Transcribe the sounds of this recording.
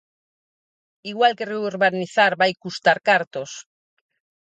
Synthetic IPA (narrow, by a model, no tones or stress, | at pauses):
iɣwalkereuɾβaniθaɾβajkust̪aɾkaɾt̪os